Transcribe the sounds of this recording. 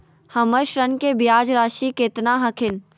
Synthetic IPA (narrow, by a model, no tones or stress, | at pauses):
hɐməɾʃɾənkeːbɪjaːd͡ʒɾaːʃiːkeːt̪naɦɐkʰɪn